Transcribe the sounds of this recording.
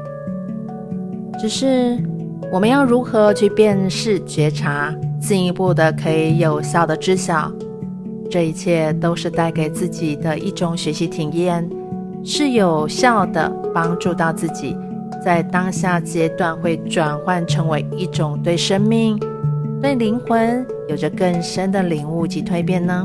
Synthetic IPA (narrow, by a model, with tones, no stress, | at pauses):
ʈ͡ʂɻ̩˨˩ʂɻ̩˥˩ | wɔ˨˩mə˦jɑ˥˩ʊɻu˧˥xɤ˧˦˥t͡ɕʰy˥˧pjɛ˥˧nʂɻ̩˥˩t͡ɕɥɛ˧˥ʈ͡ʂʰa˧˥t͡ɕi˥˩ŋi˧˥pu˥˩d̪ə˩kʰɤ˧˥i˨˧˩jo˨˩ʊɕjɑ˥˩ʊd̪ə˩ʈ͡ʂɻ̩˥ɕjɑ˨˩˦ʊ | ʈ͡ʂɤ˥˧i˧˥t͡ɕʰjɛ˥˩t̪o˥ʊʂɻ̩˥˧t̪a˥˩ɪke˨˩ɪt͡sɹ̩˥˩t͡ɕi˨˩d̪ə˦ʔi˥˩ʈ͡ʂʊ˧˩ŋɕɥɛ˧˥ɕi˧˥t̪ʰi˨˩ŋjɛ˥˩n | ʂɻ̩˥˩jo˨˩ʊɕjɑ˥˩ʊd̪ə̰˩pɑ˥ŋʈ͡ʂu˥˧t̪ɑ˥˧ʊt͡sɹ̩˥˩t͡ɕi˨˩ | t͡sa˥˩ɪt̪ɑ˥ŋɕja˥˩t͡ɕjɛ˥t̪wa˥˧nxwe˥˩ɪʈ͡ʂwa˨˩nxwa˥˩nʈ͡ʂʰɤ˧˥ŋwe˧˥ɪi˥˩ʈ͡ʂʊ˨˩ŋt̪we˥˩ɪʂə˥ŋmi˥˧ŋt̪we˥˩ɪli˧˥ŋxwə˧˥n | jo˨˩ʊʈ͡ʂə˧˦kə˥˩ŋʂə˥nd̪ə˨li˨˩ŋu˥˩t͡ɕi˧˥t̪ʰwe˥˧ɪpjɛ˥˩nnə˧